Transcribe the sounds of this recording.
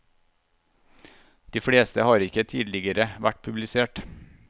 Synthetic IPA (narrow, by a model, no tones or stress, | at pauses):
d̪̥iːfɽeːst̪əhɑːɾɪkət̪ʰiːd̪lɪɡəɾəʋæʈ̚pʰʉblɪseːʈ